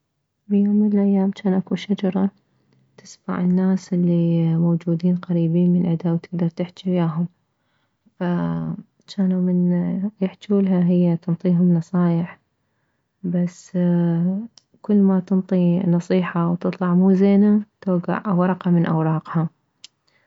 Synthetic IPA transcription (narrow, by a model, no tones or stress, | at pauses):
bijoːmːɪnɪlʔajːaːmt͡ʃaːnʔakuʃad͡ʒɑɾˤɑ | t̪ɪsma̰ʕɪnːaːsʔɪlːimowd͡ʒuːd̪iːnqɑɾiːbiːnmɪnʔɪd̪awt̪ɪɡ̚d̪ɑɾˤt̪ɪħt͡ʃajaːɦʊm | fa | t͡ʃaːnumɪnjɪħt͡ʃuːlɦaɦɪjːat̪ɨnt̪ˤiːɦʊmnɑsˤɑːjɪħ | bas | kʊlːmat̪ɨnt̪ˤinɑsˤiːħɑwt̪ɨt̪ˤlɑʕmuːzeːnat̪oːɡa̰ʕwɑɾˤɑqɑmɪnʔa̰wɾˤɑːqha